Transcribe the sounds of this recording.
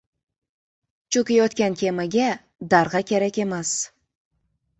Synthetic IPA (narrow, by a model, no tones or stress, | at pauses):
t͡ʃʰukʲijɵt̪kʲænkʲʰemɪɡʲe | d̪ɑɾʁɑkʲʰeɾækʲemæs